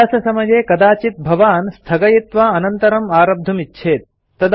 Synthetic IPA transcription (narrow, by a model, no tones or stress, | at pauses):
aːsɐsɐmɐjeːkɐd̪aːt͡ʃit̪̚bʱɐʋaːnst̪ʰɐɡɐjit̪ʋaːɐnɐnt̪ɐɾɐmaːɾɐb̚d̪ʱɐmitːʃʰeːt̪̚ː | ɐd̪